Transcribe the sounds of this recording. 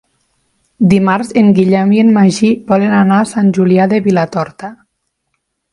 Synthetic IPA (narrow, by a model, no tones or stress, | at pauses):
d̪imaɾzeŋɡiʎɛmienmaʒibɔlenanasanʲʒuliaðeβilat̪ɔɾt̪a